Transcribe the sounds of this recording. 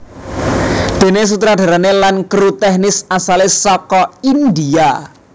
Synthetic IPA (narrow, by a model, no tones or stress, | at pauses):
d̪̥e̤nes̬ut̪ɾaɖ̪̥a̤ɾanelankɾut̪ɛhnɪsasalesɔkɔind̪ia